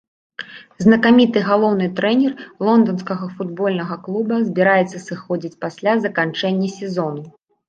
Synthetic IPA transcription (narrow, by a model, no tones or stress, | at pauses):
znɐkamʲit̪ɨɣalˠɔwnɨt̪ɾɛnʲɛrlˠɔnd̪ɔnskɐɣɐfud̪bɔlʲnɐɣɐklˠubɐzʲbʲiɾajɛt̪sːɐsɨxɔd͡zʲit͡sʲpasʲlʲazɐkant͡ʂɛnʲːɛsʲɛzɔnu